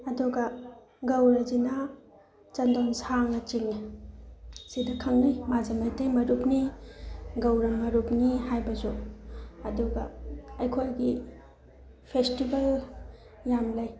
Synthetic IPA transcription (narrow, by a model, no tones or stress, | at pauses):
ɐduɡɐ | ɡɐwɾɐzina | t͡ʃɐndonsaŋnɐt͡ʃiŋi | sidɐkʰɐŋnijmazɐmajtejmɐɾupni | ɡɐwɾɐmɐɾup̚nihajbɐzu | ɐduɡɐ̰ɐjkʰojɡi | pʰestibɐl | jamlaj